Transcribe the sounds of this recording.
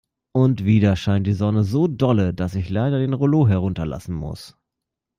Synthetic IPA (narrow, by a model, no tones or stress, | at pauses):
ʔʊntv̥iːɾɐʃaɪnt̚d̥iːzɔnəzoːdɔlədasɪçlaɪdɐdeːnʁoloːɦɛʁ̞ʊntɐla̰sn̩mʊ̰s